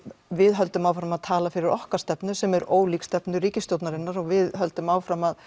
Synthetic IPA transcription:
vɪðɦœl̪t̪ʏmawfɾamaðt̪ʰaːlafɪɾɪɾʔɔhkḁst̪ɛpnʏsɛmɛɾoːwlikst̪ɛpnʏɾiːcɪst̪jowt̪naɾɪnːaɾɔɣvɪðɦœl̪t̪ʏmaːwfɾamːað

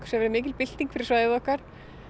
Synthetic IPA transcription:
ksɛvɛɾʏmɪːc̬ɪlpɪl̥t̪iŋkfɪɾɪ̥svaːjðɪðɔhkaɾ̥

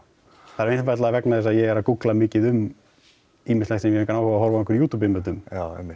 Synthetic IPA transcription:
θaðɾejnfvajt̪laðavɛknaðɛsaðjɛɣɛɾakuklamɪːcɪðʏm | iːmɪst̪lɛxsɛmjɛɾɛŋkanawhɔvaɦɔɾvaɪnkvʏɾjuːt̪ʰuːp̬ɪmːɛt̪ʏmaɛ̰mɪ̥t̪

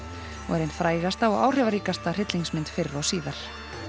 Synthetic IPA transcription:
ɔ̰ɛɾenfɾaːjɣast̪aɔɣa̰ːwr̥ɛvaɾiːkast̪ar̥ɪt̪liŋsmɪnt̪fɪɾːawsiːðaɾ̥

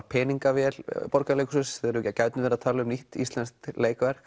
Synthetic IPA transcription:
pʰɛːniŋkavjɛlpɔɾkalejksʏsɛɾʏcːacaɥt̪nɪvɛɾaðt̪ʰaːlʏʏmniht̪ḭst̪lɛnst̪leːjkvɛɾɣ

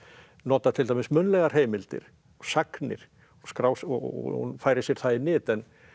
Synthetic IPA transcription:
nɔːt̪at̪ʰɪlt̪ajmɪsmʏnlɛɣaɾ̥ɦeːjmɪlt̪ɪ̰ɾ̥ | ɔsaknɪ̰ɾ̥ | ɔskɾaːwsɔ̰hṵnfaːjɾɪsjɛɾ̥θaðɪnɪːt̪ɛn

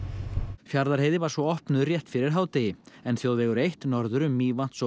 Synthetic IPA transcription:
fjaɾðaɾ̥ɦeːjðɪvaɾ̥svɔɔhpnʏðrjɛht̪fɪɾɪɾ̥ɦaːwt̪ɪɪɛnθjowðvɛɣʏɾejht̪nɔɾðʏɾʏmːiːvan̥t̪s

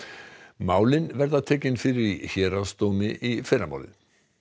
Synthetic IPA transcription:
maːwlɪnvɛɾðat̪ʰɛːcɪnfɪːɾɪɾiçɛːɾast̪oːmɪʔifɪɾama̰wlɪ̰n

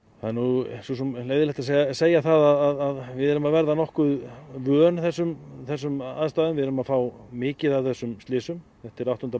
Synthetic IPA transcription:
θaðɛɾnususɛmleːjðɪlɛht̪as̬seːjaθaðaðaðaðvɪðɛɾʏmaðvɛɾðanɔhkʏðvœːnθɛsːʏmθɛsːʏma̰ðst̪aːðʏmvɪðɛɾʏmaðfaːwmɪːcɪðavθɛsːʏmst̪ɪːsʏmθɛht̪ɪɾawht̪ʏna

